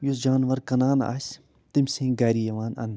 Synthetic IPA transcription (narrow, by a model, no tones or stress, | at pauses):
jusd͡ʒaːnʋɐɾkɐnaːna̰ːsʲ | t̪imʲsẽːɡɐːɾijɐʋaːnɐ̰n